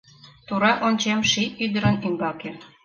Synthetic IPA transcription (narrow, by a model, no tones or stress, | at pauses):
t̪uɾɑʔonʲt͡ɕemʃiyd̪ə̆ɾə̆nymbɑke